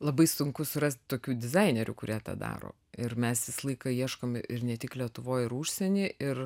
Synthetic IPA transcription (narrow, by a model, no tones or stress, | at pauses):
lˠɐbɐɪsʊŋkʊsʊɾɐsʲt̪̚ʲt̪oːkʲuːd̪ʲɪzɑɪnʲɛɾʲʊ̰kʊɾʲiɛt̪ɑ̰ːd̪ɑ̰ːɾo̰ː | ɪrmʲɛsjʲɪslˠɐɪkɐiɛʃkomɪɾnʲɛt̪ʲɪklʲiɛt̪ʊʋoːjɪɾuːʃʲsʲɛnʲiːɪr